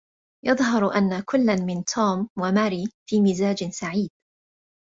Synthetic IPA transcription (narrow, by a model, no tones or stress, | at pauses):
jɑðˤɦɑɾˤʔanːakʊlːanmɪnt̪ʰuːmwamaːɾiːfiːmɪzaːd͡ʒɪsaʕiːd̪̥̚